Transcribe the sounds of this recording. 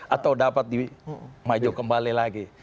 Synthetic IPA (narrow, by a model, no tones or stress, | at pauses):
ʔat̪awdapat̪̚dimad͡ʒɔkəmbalilaɡi